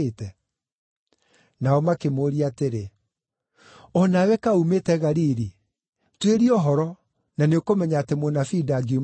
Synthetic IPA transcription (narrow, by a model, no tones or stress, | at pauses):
tɛ | naɔmakemoɾiateɾe | ɔnawɛkaumetɛɣaɾiɾi | tweɾiɔɦɔɾɔ | naneokomɛɲaːtemonafidaɡim